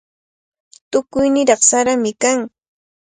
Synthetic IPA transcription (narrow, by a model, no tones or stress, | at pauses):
t̪ʊkʊjnɪɾɑχsaɾamɪkaŋ